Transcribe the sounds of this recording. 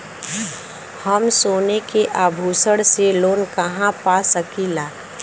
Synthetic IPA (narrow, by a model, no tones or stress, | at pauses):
həmsoːnekeʔaːbʱuːsəɽseloːnkəɦãpasəkilaː